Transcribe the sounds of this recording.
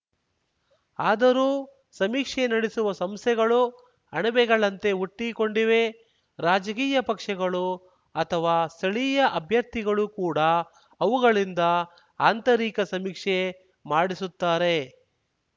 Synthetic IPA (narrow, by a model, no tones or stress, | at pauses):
aːd̪ɐɾuː | sɐmiːkʂenɐɽisuʋɐsɐmst̪ʰɛɡɐɭu | ɐɳɐbɛɡɐɭɐnt̪e̞uʈːiko̞ɳɖiʋe̞ | ɾaːd͡ʒɐk̬iːjɐpɐkʂɐɡɐɭu | ɐt̪ʰɐʋaːst̪ʰɐɭiːjɐʔɐbʱjɐɾt̪iɡɐɭukuːɽɐː | ʋuɡɐɭind̪ɐ | aːnt̪ɐɾiːkɐsɐmiːkʂe | maːɽisut̪ːaːɾe̞